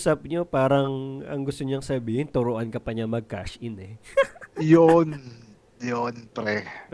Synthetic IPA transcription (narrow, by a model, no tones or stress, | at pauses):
sɐp̚ɲopaːɾɐŋʔɐŋɡʊst̪oɲaŋsɐbiːhɪnt̪ʊɾoʔankɐpɐɲɐmɐɡ̚ka̰ʃʔɪnɛ | jon | jonpɾɛ